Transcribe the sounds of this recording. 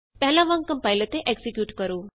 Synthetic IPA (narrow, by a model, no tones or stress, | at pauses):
pɛɦlãʋãŋkəmpajlət̪eʔeksikjuːʈkəɾuː